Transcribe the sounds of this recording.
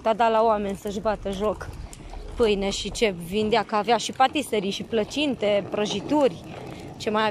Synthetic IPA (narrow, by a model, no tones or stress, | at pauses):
t̪ad̪alaowame̞nʲsəʒbat̪əʒo̞k | pɨjne̞ʃit͡ʃe̞vind̪eakəaveaʃipat̪iseɾiʃiplət͡ʃint̪e̞pɾəʒit̪urʲ | t͡ʃe̞maja